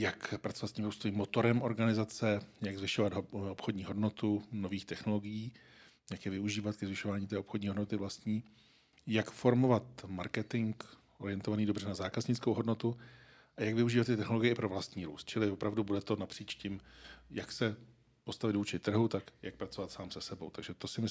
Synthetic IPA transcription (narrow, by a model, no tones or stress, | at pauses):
jakpɾatt͡so̞vat̪scɪmɾuːst̪oviːmːot̪o̞ɾɛmʔo̞ɾɡanɪzat͡sɛjaɡzvɪʃovad̪opxodɲiːɦo̞dno̞t̪unoviːxt̪ɛxno̞lo̞ɡɪjiː | jakjɛvɪuʒiːvat̪̚kɛzvɪʃovaːɲiːt̪ɛːopxodɲiːɦo̞dno̞t̪ɪvlast̪ɲiː | jakfo̞ɾmo̞vat̪maɾkɛt̪ɪŋk | ʔoɾɪɛnt̪ovaniːdobr̝ɛnazaːkazɲɪt͡skowɦodno̞t̪u | ʔajaɡvɪuʒiːvat̪ːɪt̪ɛxno̞lo̞ɡɪjɛɪpɾo̞vlast̪ɲiːɾṵːst̪̚t͡ʃɪlɪvopɾavdubudɛt̪o̞napr̥iːt͡ʃcɪmjaksɛ | po̞st̪avɪd̪vuːt͡ʃɪt̪r̩ɦut̪akjak̚pɾat͡so̞vat̪saːmsɛsɛbo̞̰wt̪aɡʒɛt̪o̞sɪmɪ